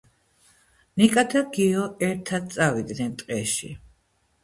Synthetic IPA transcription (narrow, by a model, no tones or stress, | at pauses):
nikʼad̪ʰaɡiɔɛɾt̪ʰad̪̚t̪sʼavid̪nɛnt̪ʼqʼɛʃḭ